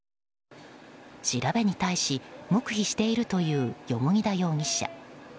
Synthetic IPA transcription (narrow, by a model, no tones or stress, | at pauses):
ɕiɾabe̞ɲ̟it̪aiɕimo̞kɯ̟çiɕi̥t̪e̞iɾɯ̟t̪o̞jɯ̟ːjo̞mo̞ɲ̟ʲid̪ajo̞ːɲ̟iɕa̰